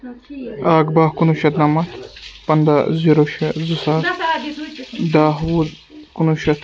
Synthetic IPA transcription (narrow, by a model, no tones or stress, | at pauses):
aːɡbaːhkunuʃɐt̪nɐmɐt̪ʰpɐnd̪aziɾoʃɐzusaːt̪ | d̪aːɦwu | kunuʃɐt̪